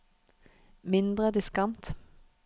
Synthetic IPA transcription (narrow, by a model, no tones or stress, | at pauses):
mɪnd̪ʁəd̪ɪskɑnt̪